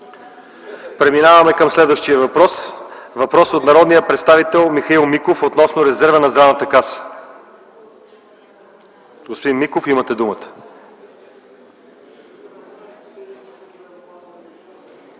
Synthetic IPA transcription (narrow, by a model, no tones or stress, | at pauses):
pɾɛminavɐmɛkəmslɛd̪vəʃt̪iəvɐpɾɔsvɐpɾɔsot̪nɐɾɔd̪nijəpɾɛt̪st̪avit̪ɛlˠmixɐilˠmikofot̪nɔsnoɾɛzɛɾvənɐzd̪ɾavnət̪əkasə̥ | ɡospod̪inmikofimət̪ɛd̪umət̪ə̥